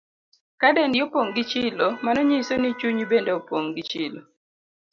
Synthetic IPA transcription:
kadendjopoŋɡit͡ʃɪlomanɔɲisonit͡ʃuɲbendeopoŋɡit͡ʃɪlo

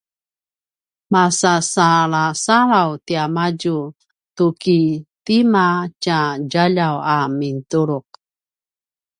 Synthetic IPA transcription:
masasaɭasaɾawtiamaɟu | tukitimat͡ʃaɟaʎawamintuɾuq̚

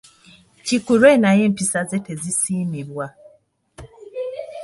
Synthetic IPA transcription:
cikuɾwenajem̩pisazetezisiːmiβwa

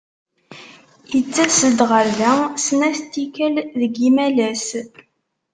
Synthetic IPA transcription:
jət͡sːæsəd̪ʁəɾðæsnæθt̪ːikælðəɡimælæs

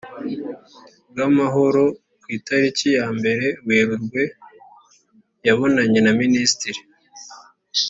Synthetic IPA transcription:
bɡamaɦo̞ɾo̞ | kwiːtaɾicijaːmbe̞ɾe̞ɡweːɾuɾɡwe̞ | jaβo̞naɲe̞naministiɾi

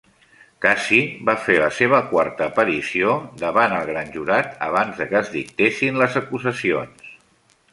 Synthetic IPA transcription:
kasibafeləseβ̞əkwaɾt̪əːpəɾisiod̪əβanəlˠɣɾanʲʒuɾat̪ə̰βanzðəkəzðik̚t̪esinləzəkuzəsions

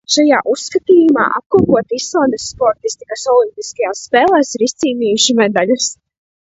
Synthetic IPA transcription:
ʃajaːʔusːkat̪iːjuma̰ːʔap̚kuɔpuɔt̪islˠaːnd̪ɛsːpɔɾt̪ist̪ikasɔlˠimpʲiskajaːsːpɛːlˠɛːsiɾist̪siːniːjuʃimɛd̪alʲus

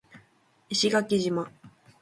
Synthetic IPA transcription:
iɕiɡakʲiʑima

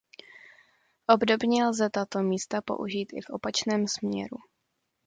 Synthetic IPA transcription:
ʔo̞bdo̞bɲɛlzɛt̪at̪o̞miːst̪apo̞̰ʔuʒiːt̪ʔɪ̰fʔo̞pat͡ʃnɛːmsmɲɛ̰ɾṵ

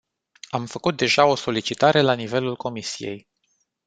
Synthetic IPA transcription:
amfəkut̪̚d̪e̞ʒao̞so̞lit͡ʃit̪aɾe̞lanive̞lulko̞misije̞̰j

